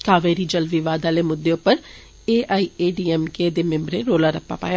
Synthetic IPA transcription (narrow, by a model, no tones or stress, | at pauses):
kaːʋeːɾiːd͡ʒəlʋiːʋaːd̪aːleːmʊd̪ːeːʊpːəɾ | eːaːiːeːɖiːɛːmkeːd̪eːmɪ̃mbɾeːɾoːlaːɾəpːa̰ːpa̰ːja